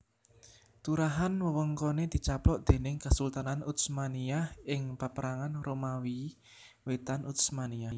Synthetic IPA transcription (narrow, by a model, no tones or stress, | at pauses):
t̪uɾaɦanwəwəŋkɔned̪̥i̤t͡ʃaplɔʔd̪̥e̤nɪŋkasult̪ananut̪smaniahɪŋpapəɾaŋanromawi | wet̪anʔut̪smania